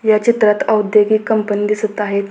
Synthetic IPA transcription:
jat͡ɕit̪ɾat̪əud̪jeɡiːkəmpənid̪isət̪aɦet̪

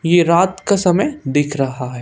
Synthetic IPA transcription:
jeɾaːt̪kasɐməjd̪ɪkʰɾɐɦaɦɛː

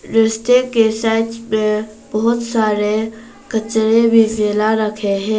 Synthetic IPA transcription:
ɾɪsʈ̪ekesaːɪʈmẽ | bɔɦʊt̪saːɾe | kət͡ʃɾebʱizeːlaɾəkʰeɦɛ̃ː

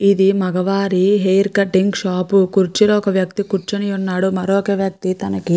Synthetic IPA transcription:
id̪imɐɡɐʋaːɾiɦejɾkɐʈːiŋɡʃaːpukuɾt͡ʃiloːkɐʋjɐkt̪ikuɾt͡ʃɐnijunːaːɽumɐɾoːkeːʋjɐk̚t̪it̪ɐnɐki

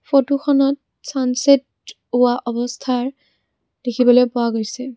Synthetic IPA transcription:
fotuxɔnɔt̚ | sanset̚ | ʊwaʔɔbɔstʰaɹ | d̥ekʰibɔlojpʊwaɡojsɛ

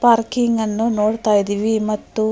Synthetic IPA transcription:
paːɾkiŋɡɐnːunoːɽt̪aːjid̪iʋimɐt̪ːu

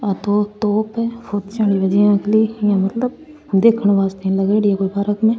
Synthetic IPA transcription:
ət̪oːt̪oːpɛːpʰot̪t͡ʃaːɽiːbəd͡ʒijãːkʰliːjãːmət̪ləb̚ | d̪eːkʰəɳ̃ʋaːst̪eːãːləɡeːɽiːaːkoːibaːɾəkmẽː

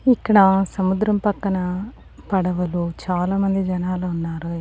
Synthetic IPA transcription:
ikːɐɽɐsɐmud̪ɾɐmpɐkːɐnɐ | pɐɽɐʋɐlut͡ʃaːlaːmɐnd̪id͡ʒɐnaːluunːaːɾu

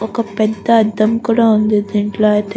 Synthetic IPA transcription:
okɐpɛd̪ːɐːd̪ɐmkuɽaund̪id̪iɳʈlat̪

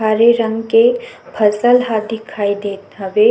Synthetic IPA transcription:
aːɾeɾə̃ŋɡkebʰʱəsəlɦaːd̪ɪkʰaːid̪eːt̪ɦəʋe

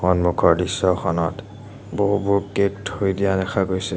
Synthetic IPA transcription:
xɔnmukʰɔɹdisɔxɔnɔt | boɦubuɹkek̚thojdijadɛxʰaɡojsɛ

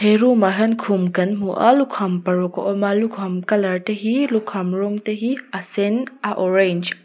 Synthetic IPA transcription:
eɾumɐɦɐnkʰumkɐnmuʔɐ̰lukʰɐmpɐɾoko̰ʔomalukʰɐmkɐlɐɾʈɐɦilukʰɐmɾoŋt̪ɐɦiɐsenaʔoɾend͡ʒ

